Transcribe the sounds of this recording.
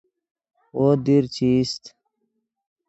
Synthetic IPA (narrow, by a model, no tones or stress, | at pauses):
wod̪iɾt͡ɕist̪